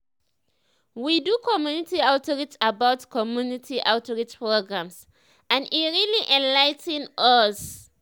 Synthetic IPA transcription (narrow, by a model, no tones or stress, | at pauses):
widukʰɔmjunitiatʰɔɹitsabaʊtkʰɔmjunitʰiʔaʊtɹit͡ʃpɹoɡɹãms | ãniɹiliʔɛ̃nlajtɛ̃nɔs